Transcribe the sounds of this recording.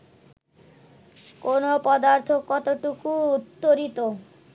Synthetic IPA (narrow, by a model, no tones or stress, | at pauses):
konopɔd̪aɾt̪ʰokɔt̪oʈukuut̪ːoɾit̪o